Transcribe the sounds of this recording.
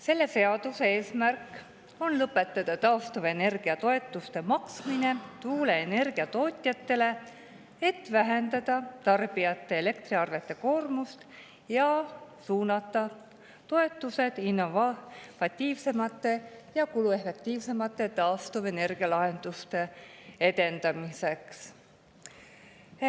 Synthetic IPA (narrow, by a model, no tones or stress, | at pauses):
se̞lːe̞se̞ɑd̪useeːsmærk | o̞nlɤpːˑe̞t̪ːˑɑd̪̥ɑt̪ɑost̪ove̞ne̞rɡ̥iɑt̪o̞e̞t̪ːˑust̪e̞mɑksmine̞t̪uːle̞ene̞rɡ̥iɑt̪o̞ːt̪ʲjɑt̪ːe̞le̞ | et̪ːvæɦend̪ɑd̪̥ɑt̪ɑrb̥ijɑt̪ːe̞ele̞kt̪riɑrve̞t̪ːˑe̞ko̞ːrmust̪ | jɑsuːnɑt̪ˑːɑ | t̪o̞e̞t̪ːˑuse̞d̪̥inːovvɑt̪ʲːiːvse̞mɑt̪ːˑe̞jɑkulue̞fe̞k̚t̪iːvse̞mɑt̪ːˑe̞t̪ɑːst̪ove̞ne̞rɡ̥iɑlɑɦe̞nd̪̥ust̪e̞e̞d̪̥e̞nd̪̥ɑmise̞ks